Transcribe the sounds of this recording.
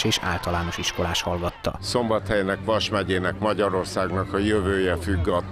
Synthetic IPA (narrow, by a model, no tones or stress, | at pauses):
ʃeːʃa̰ːlt̪ɒlaːno̞ʃiʃko̞laːʃhɒlɡɒt̪ːɒ̰so̞mbɒt̪hɛjnɛkʋɒʃmɛɟeːnɛkmɒɟɒɾo̞rsaːɡnɒkɒjøvøːjɛfyɡːɒt̪ː